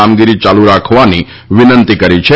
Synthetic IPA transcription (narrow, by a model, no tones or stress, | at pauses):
amɡiɾit͡ʃaluɾakʰʋani | ʋɪnənt̪ikəɾit͡ʃʰe